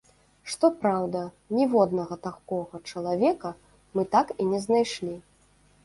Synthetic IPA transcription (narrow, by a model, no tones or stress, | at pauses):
ʂt̪ɔpɾawd̪ɐ | nʲɛvɔd̪nɐɣɐt̪akɔɣɐt͡ʂɐlˠavʲɛkɐ | mɨt̪akinʲɛznajʂlʲi